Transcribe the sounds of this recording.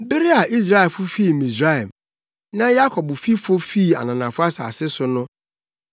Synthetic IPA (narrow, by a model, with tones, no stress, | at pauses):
bɪ˦ɾi˦a˨ʔi˦s̬ɾa˦ɛ˨fʊ˦fi˦˨mĩ˨sɾa˦ɛ˨m | nã˦ja˦kʰɔ˨bʊ˨fi˦fo˦fi˦˨a̰˨nã˨nã˨fʊ˦a˦sa̰˨sɪ˦sʊ˨˦nʊ̃˦